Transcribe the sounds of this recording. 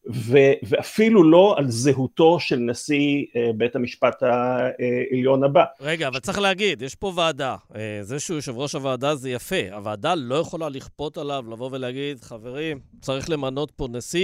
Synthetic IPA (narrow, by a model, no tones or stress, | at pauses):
veveafilulo̞alzeɦuto̞ʃelnasiebethamiʃpat̪haeeljo̞nabaʁeɡaːvalt͡saχleaɡid̪jeʃpo̞vaːdaezeʃeuʃevʁo̞ʃavaːdazejafe̞a̰vaːdalo̞jeχo̞laliχpo̞t̪alavlavo̞ve̞leaɡid̪χave̞ʁim | t͡saʁiχle̞mano̞t̚po̞nasi